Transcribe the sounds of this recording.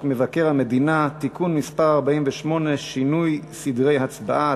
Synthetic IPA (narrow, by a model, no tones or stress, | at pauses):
kmevake̞ʁhame̞d̪inat̪ikunmispaʁaʁbaimveʃmo̞ne̞ʃinujsid̪ʁe̞jɦat͡sbaʔa